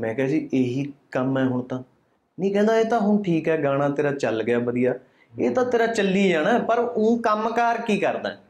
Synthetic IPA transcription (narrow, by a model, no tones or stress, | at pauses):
mɛ̃ːkɛɦaːd͡ʒiːʔeːɦiːkəmɛːɦʊɳ̃t̪ãː | nĩːkɛ̃ːnd̪aːeːt̪ãːɦʊɳʈʰiːkɦɛːɡaːɽ̃aːt̪eːɾaːt͡ʃəlɡɪjaːbəd̪ijaː | eːt̪ãːt̪eːɾaːt͡ʃəlːiːd͡ʒaːnɛ̃ːpəɾũːkəmkaːɾkiːkəɾd̪ã̰ː